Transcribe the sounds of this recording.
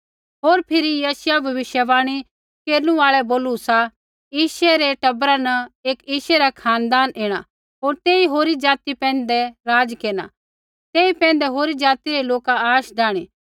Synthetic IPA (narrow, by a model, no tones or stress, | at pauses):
ɦoːɾpʰɪɾijasʊjabʱɐʋɪʃjəbaːɽ̃i | keːɾnũaːɭɛboːlusa | jiːʃɛɾɛʈɐbɾanɐeːkiːʃɛɾakʰaːnd̪aːnʔeːɽ̃a̰ | ɦoːɾt̪eːiɦoːɾid͡ʒaːt̪ipɛ̃ːnd̪ɛɾaːd͡ʒkeːña̰ | t̪eːipɛ̃ːnd̪ɛɦoːɾid͡ʒaːt̪iɾeloːkaaːʃɖaːɽ̃iː